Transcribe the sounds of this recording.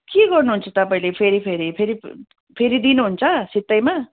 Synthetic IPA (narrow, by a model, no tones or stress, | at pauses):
keɡʌrnuɦunt͡sʌt̪ʌpaĩlepʰeɾipʰeɾipʰeɾi | pʰeɾid̪inuɦunt͡sʰʌsit̪ːʌjma